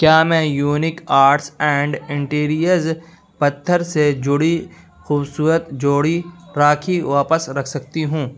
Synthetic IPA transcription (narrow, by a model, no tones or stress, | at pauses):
kjaːmɛ̃ːjuːnɪkaːɾʈsɛ̃ːɳɖɪ̃ɳʈiːɾijəɾz | pɐt̪ʰːəɾsed͡ʒʊɽi | xuːbsuːɾət̪d͡ʒoːɽiɾaːkʰiʋaːpəsɾɐkʰsɐk̚t̪iɦũː